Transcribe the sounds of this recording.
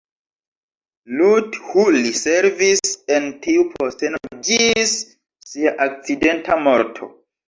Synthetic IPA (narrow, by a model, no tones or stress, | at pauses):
luthuliseɾvise̞ntiupʰostenod͡ʒisː | iaʔak̚t͡side̞ntamo̞ɾtʰo̰